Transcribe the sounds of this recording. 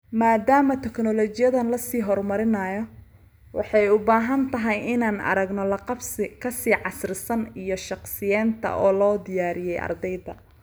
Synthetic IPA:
maːd̪aːmɐt̪ʰɛknɔlɔt͡ʃɪjɐðɐnlɐsiːɦɔrmɐɾɪnɐjɔ | wɑ̰ħɑjʊbaːɦɐnt̪ʰɐɦɛjɪnaːnɐ̰ɾɐɡnɔlɐqfskʰɐsiːʕɑsrɪsɐnijɔʃɑqsɪjɛːnt̪ʰɐ̰ʔɔːlɔːd̪ɪjaːɾɪjɛjʔɐ̰rd̪ɛjðɐ̰

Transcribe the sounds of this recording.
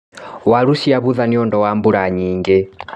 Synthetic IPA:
walusiaβuðaniɔndɔwambuɾaɲiːŋɡɛ

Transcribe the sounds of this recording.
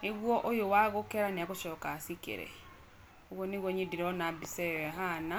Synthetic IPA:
neɣwɔʔojowaɣokɛɾaneakoʃɔkasikḛɾɛ̰ | oɣwɔneɣwɔɲediɾɔnabisɛɛɦana

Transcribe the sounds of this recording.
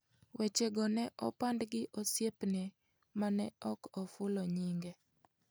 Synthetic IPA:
wʔet͡ʃeɡɔnɛʔɔ̰pandɡɪʔosjepne | manɛɔkɔfʊlɔɲiŋɡe

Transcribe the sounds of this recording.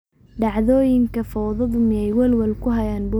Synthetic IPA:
ɖɑʕðɔːjɪŋkʰɐfɔwðɐðʊmɪɛjwɐlwɐlkʰʊɦɐjaːnbʊ

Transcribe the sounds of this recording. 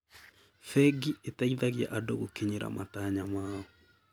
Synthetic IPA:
fɛɡietaiðaɣja̰ʔadoɣokeɲeɾa̰mataɲamaːɔ

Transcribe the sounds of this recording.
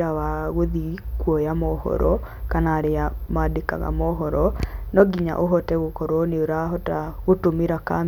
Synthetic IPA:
ɾawaɣoðikwɔjamɔhɔ̰ɾɔ | kanaːɾeamadeka̰ɣa̰mɔɦɔɾɔnɔɡiɲa̰ʔoɦɔtɛɣokɔɾɔneoɾaɦɔtaɣotomiɾakam

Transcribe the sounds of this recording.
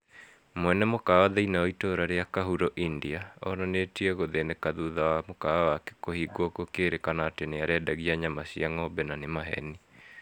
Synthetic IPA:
mwɛnɛmokawaðeinaoitoɾaɾeakaɦuɾɔʔindiaɔ̰nɔnetiɛɣoðenekaðuðawamokawawake̥kohiɡwɔkokeɾekanaːteneaɾeadaɣiaɲamasiaŋɔbɛnanemaɦɛ̰ni

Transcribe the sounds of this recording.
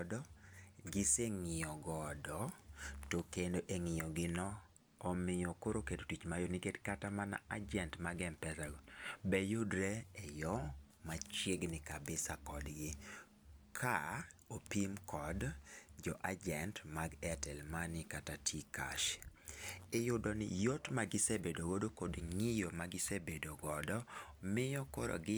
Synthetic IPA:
dɔɡɪseŋɪjɔɡɔdɔtokendoʔeŋɪjɔɡɪnɔː | mɪjɔkoɾokedotit͡ʃmajoniketkatamana̰ad͡ʒɛntmaɡɛmpɛzalbɛjodɾeejɔ | mat͡ʃeɡnɪkabɪsakɔdɡɪ | kʰaopimkʰɔdd͡ʒɔʔad͡ʒɛntmaɡɛtɛlmanɪkatatʰika̰ʃ | ɪjʊdɔnɪ̰jotmaɡɪsebedoɡodokodŋɪjomaɡɪsebedoɡɔdɔmɪjɔkoɾɔ̰ɡɪ

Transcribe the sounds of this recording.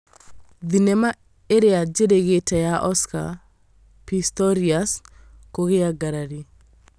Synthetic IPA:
ðinɛma | eɾead͡ʒeɾeɣetɛjaʔɔska̰ | pistɔɾias | koɣeaɡaɾaɾi

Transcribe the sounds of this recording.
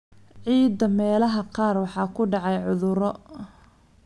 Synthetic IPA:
ʕiːd̪ɐmɛːlɐɦɐqɑːrwɑħɑːkʰʊɖɑʕɑjʕʊðʊɾɔ

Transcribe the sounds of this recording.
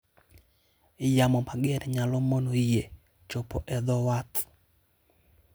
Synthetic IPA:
ɪjamɔmaɡɪɛɾɲalɔmonoije | t͡ʃopɔʔɛd̪ɔwat̪

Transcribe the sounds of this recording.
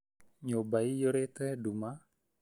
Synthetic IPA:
ɲobaijoɾet̪eduma

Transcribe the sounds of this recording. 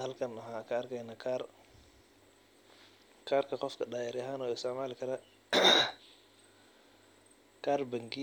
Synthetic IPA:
hɐlkʰɐnɐɦaːkʰɐɐrkʰɛjnakʰar | kʰaːrkʰɐqɔfkʰɐɖaːjɐɾjɐɦaːnɔːɪsɔmaːlɪkʰɐɾɐ | kʰaːrbɐŋɡi

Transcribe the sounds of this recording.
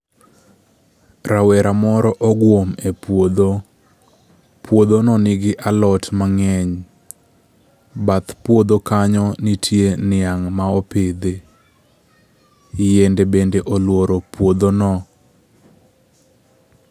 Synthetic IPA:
ɾawɛɾamɔɾɔʔɔɡwomepwod̪o | pʰwod̪onɔnɪɡɪʔalɔtmaŋɛɲ | bat̪pwod̪okaɲɔnitʰjenɪaŋmaɔped̪e | jendebendeʔolwoɾopwod̪onɔ

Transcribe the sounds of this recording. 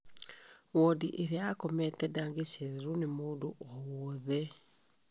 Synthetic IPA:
wɔdiʔeɾeaːkɔmɛtɛdaːŋɡeɕeɾeɾunemoːdoʔɔwɔðɛ

